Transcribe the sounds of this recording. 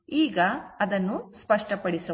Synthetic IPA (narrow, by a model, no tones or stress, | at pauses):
iːɡɐɐd̪ɐnːuspɐʂʈɐpɐɽisɐ